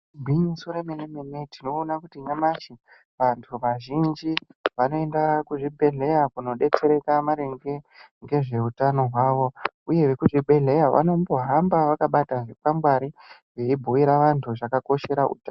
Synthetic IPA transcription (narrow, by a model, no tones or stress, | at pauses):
bʱiɲusuɾemenemenetino̞ːnakutiŋɡamat͡ʃi | ʋantʰuʋaʒind͡ʒiʋano̞e̞ndakuʐibʱe̞ɮe̞jakuno̞ɗe̞t͡se̞ɾe̞kamaɾeŋɡeŋɡe̞ʐe̞utano̞ɦwaʋo̞ | uje̞ʋekuʐibʱe̞ɮe̞jaʋʔa̰no̞mbo̞ɦambaʋakaɓataʐipamɡwaɾiʐeibʱuiɾaʋantʰuʐakako̞ʃe̞ɾaṵta